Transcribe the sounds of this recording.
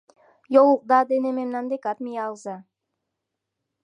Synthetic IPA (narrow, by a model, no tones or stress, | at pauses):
joluq̚d̪ad̪enememnand̪ekat̪mijɑlˠza